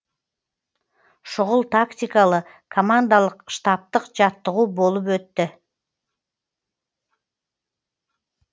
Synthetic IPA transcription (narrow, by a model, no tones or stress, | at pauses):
ʃoʁʊlˠt̪aktʲɪkalˠə | kʰomand̪alˠəqʃt̪ɑp̚t̪əqd͡ʒɑt̪ːəʁuːbo̞lˠup̬ø̞t̪ːʏ